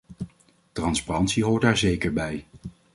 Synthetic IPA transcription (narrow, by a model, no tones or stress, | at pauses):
trɑnsparɑntsiɦoːɹtaːɹzejkəɹbɛj